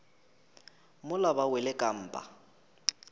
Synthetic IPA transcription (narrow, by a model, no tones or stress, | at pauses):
mʊlabawɛlɪkʼam̩ːpʼa̰